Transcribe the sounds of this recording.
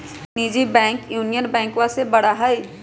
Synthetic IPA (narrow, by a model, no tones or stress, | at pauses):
niːd͡ʒibɛ̃ːŋkjuːnijənbɛ̃ːŋkwãsebɐɽaɦai